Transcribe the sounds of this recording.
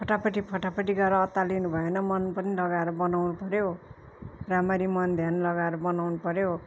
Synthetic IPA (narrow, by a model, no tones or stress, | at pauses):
pʰʌʈapʌʈipʰʌʈapʌʈiɡʌeɾʌːt̪ːalinubʱʌenʌmʌnpʌnilʌɡaeɾʌbʌnawnupʌɾjo | ramaɾimʌnd̪ʱjanlʌɡaeɾʌbʌnawnupʌɾjo